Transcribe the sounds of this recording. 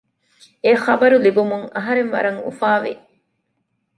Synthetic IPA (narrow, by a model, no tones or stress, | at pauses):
eχɐbɐɾulibumuŋɐɦɐɾenʋɐ̰ɾɐŋṵfaːʋḛ